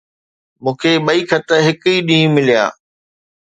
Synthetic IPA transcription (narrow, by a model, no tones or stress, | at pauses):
mũːkʰeːɓɐikʰɐt̪əɦɪkiːɗĩːmɪlija̰ː